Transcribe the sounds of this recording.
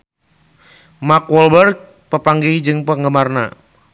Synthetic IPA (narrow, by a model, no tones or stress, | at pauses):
makwɔlbərɡ̚ | pəpaŋɡid͡ʒɨŋpəŋɡəmarna̰